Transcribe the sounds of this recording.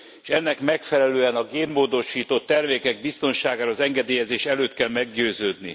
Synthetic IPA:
eʃɛnːɛkmɛkfɛlɛløːɛnɒɡeːnmoːd̪o̞ʃiːt̪ot̪ːɛrmeːkɛɡ̚bist̪o̞nʃaːɡaːɾɒːzɛŋɡɛd̪eːjɛzeːʃɛløːt̪kɛlmɛɡɟøːzøːd̪nḭ

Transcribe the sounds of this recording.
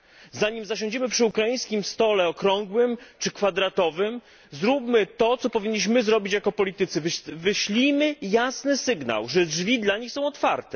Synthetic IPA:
zaɲimzaɕɔ̃ɲd͡ʑɛmɘpʂɘukɾajĩj̃skʲimst̪ɔlɛɔkɾɔŋɡwɘmt͡ʂɘkfad̪ɾat̪ɔvɘm | zɾupmɘt̪ɔt̪sɔpɔvʲiɲːiɕ̬mɘzɾɔbʲit͡ɕjakɔpɔlʲit̪ɘt̪sɘvvɘɕlʲimɘjasnɘsɘɡna̰wʐɛdʐvʲid̪laɲixsɔ̃w̃ɔt̪fa̰ɾt̪ɛ

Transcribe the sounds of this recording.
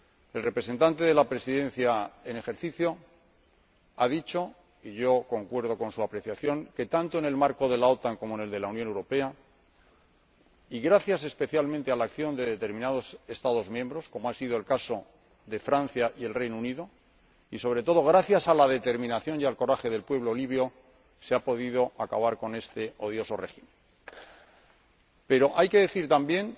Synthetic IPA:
e̞lre̞pɾe̞s̬e̞nt̪ant̪e̞ð̞e̞lapɾe̞siðẽ̞n̟θjae̞ne̞xe̞ɾθiθjo̞ | aðit͡ʃo̞ | iʝo̞ko̞ŋkwe̞ɾð̞o̞ko̞nsuapɾe̞θjaθjo̞ŋke̞t̪ant̪oe̞ne̞lmaɾko̞ðe̞lao̞t̪aŋko̞moene̞ld̪e̞launjonewɾo̞pe̞a | iɣɾaθjase̞spe̞θjalmẽnt̪e̞alakθjo̞nd̪e̞ðe̞t̪e̞ɾmĩnað̞o̞se̞st̪aðo̞zmjembɾo̞sko̞moasið̞oelkaso̞ | ðe̞fɾan̟θjaʔie̞lrejnouniðo̞ | iso̞β̞ɾe̞t̪o̞ðo̞ɣ̞ɾaθjasalaðe̞t̪e̞ɾmĩnaθjo̞ŋjalko̞ɾaxe̞ðelpwe̞β̞loːliβjo̞ | seapo̞ð̞iðo̞ʔakaβaɾko̞ne̞st̪e̞o̞ð̞jo̞so̞re̞ximẽn | pe̞ɾo̞ʔajke̞ðe̞θiɾt̪ambje̞ŋ

